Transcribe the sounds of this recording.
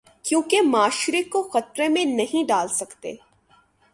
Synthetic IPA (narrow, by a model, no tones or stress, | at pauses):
kjõːkemaːʃɾekoxɐt̪ɾemẽnɐɦĩɖaːlsɐkt̪ḛː